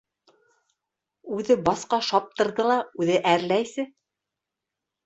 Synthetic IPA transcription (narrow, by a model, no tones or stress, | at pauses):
ʉðɘbɑsqɑʃɑp̚t̪ɤ̆ɾðɤlˠɑʉðɘʔæɾlæjsɘ